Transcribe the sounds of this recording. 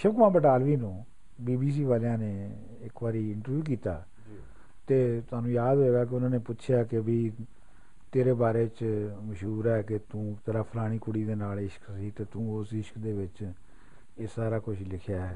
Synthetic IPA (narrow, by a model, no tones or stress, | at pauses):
ʃəkʋãːbəʈaːlʋiːnũː | biːbiːs̬iːʋaːljãːneː | ɪkbaːɾiːɪɳʈəɾʋjuːk̬iːt̪a̰ː | t̪eːt̪ʊaːnũːjaːd̪ɦoeːɡaːk̬eʊnãːneːpʊtːʃʰjaːkɪbiː | t̪eːɾeːbaːɾeːt͡ʃməʃɦuːɾɛːkɪt̪ũːt̪əɾaːpʰəlaːɽ̃iːkʊɽiːd̪eːnaːlɪʃə̥ksiːt̪eːt̪ũːʊsɪʃə̥kd̪eːʋɪt͡ʃ | eːsaːɾaːkʊʃlɪkʰjaː